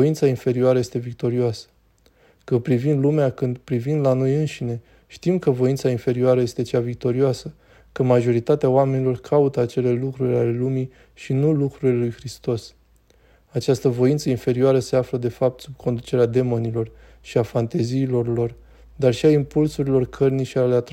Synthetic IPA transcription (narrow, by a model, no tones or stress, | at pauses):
oint̪sainfe̞ɾioaɾəje̞st̪e̞vik̚t̪o̞ɾioasə̥ | kɨnpɾivind̪lumeakɨnd̪pɾivind̪lano̞jɨnʃine̞ | ʃt̪imkəvo̞int̪sainfe̞ɾioaɾəje̞st̪e̞t͡ʃavik̚t̪o̞ɾioasə | kəmaʒo̞ɾit̪at̪eawame̞nilo̞rkʰaut̪əat͡ʃe̞le̞lukɾuɾʲale̞lumi | ʃinulukɾuɾilelujxɾist̪o̞s | at͡ʃast̪əvo̞int̪səinfe̞ɾioaɾəse̞afləd̪e̞fap̚t̪sub̚kʰo̞nd̪ut͡ʃe̞ɾead̪e̞mo̞nilo̞r | ʃiafant̪e̞ziːlo̞rlo̞r | d̪arʃiaimpulsuɾilo̞rkʰərniʃialeat̪